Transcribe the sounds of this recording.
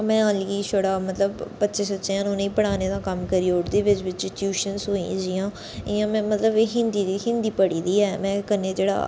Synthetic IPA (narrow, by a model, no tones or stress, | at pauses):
mɛ̃ːãːlɡiːʃoɽaːmət̪ləbpətːʃeːsət͡ʃeãːnõːnẽiːpəɽaːneːd̪ãːkəmkəɾiːoʈd̪eːʋɪt͡ʃʋɪt͡ʃʈjuːʃənsɦoːḭ̃d͡ʒɪjãː | ɪjãːmɛ̃ːmət̪ləbeːɦɪ̃nd̪iːd̪iːɦɪ̃nd̪iːpəɽiːd̪iːɛːmɛ̃ːkəneːd͡ʒeːɽa̰ː